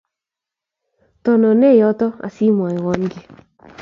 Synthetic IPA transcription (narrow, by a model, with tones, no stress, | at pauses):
tɔ˨nɔ˨nɛ˦˨jɔ˦tɔ˦a̰˨si˦mwa˨e˨wɔ˨˦ŋɡe˦